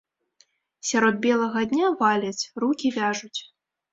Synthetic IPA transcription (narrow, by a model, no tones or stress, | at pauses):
sʲaɾɔd̪̚bʲɛlˠɐɣɐd̪ʲnʲavalʲɐt͡sʲrukʲivʲaʐut͡sʲ